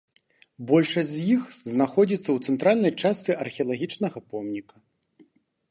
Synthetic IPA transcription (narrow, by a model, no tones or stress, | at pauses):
bɔlʲʂɐzʲjixznaxɔd͡zʲit̪sːɐwt̪sɛnt̪ɾalʲnɐjt͡ʂast̪sɨʔɐrxʲɛɐlˠaɣʲit͡ʂnɐɣɐpɔmnʲikɐ